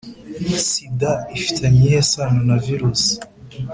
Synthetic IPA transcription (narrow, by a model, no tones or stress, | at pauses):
sidaifi̥tʰeɲijesanonaviɾusi̥